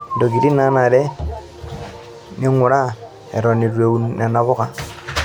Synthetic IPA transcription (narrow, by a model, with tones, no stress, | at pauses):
ndo˨ɡi˨ɾi˦na˦na˨ɾɛ˦ | ni˦ɔ˦ŋu˨ɾa˦ | ɛ̰˨ɾɔ˨ni˨ɾwe˨u˨na˨na˨βo˦ka˦